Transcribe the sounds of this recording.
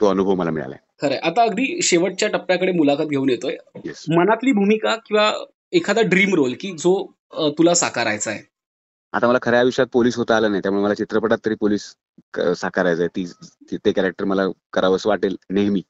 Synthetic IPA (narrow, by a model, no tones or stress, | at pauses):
t̪oənubʱəʋməla̰mḭɭa̰la̰ekʰəɾajʔat̪aəɡd̪ʱiːɕeʋəʈ̚t͡ɕjaʈəpːjakəɽemulakət̪̚ɡʱeuːnjet̪oejesmənat̪liːbʱumikakĩw̃ʋa | ekʰad̪aɖɾiːmɾolkiːd͡zo | t̪ulasakaɾajt͡sae | a̰t̪aməlakʰəɾjaʋiʂat̪̚poliːsɦot̪əaləːnajt̪jaɾmuɭeməlat͡ɕit̪ɾəpəʈat̪ːəɾiːpoliːs | sakaɾajt͡sajt̪iːt̪ekæɾek̚ʈəɾməlakəɾaʋəsʋaʈelneɦmiː